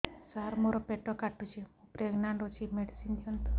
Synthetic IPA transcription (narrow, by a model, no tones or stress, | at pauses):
saɾmoɾɔpeʈɔkaʈːut͡ʃʰiupɾeɡnaɳɖot͡ʃʰimeɖisind̪iɔnt̪ɔ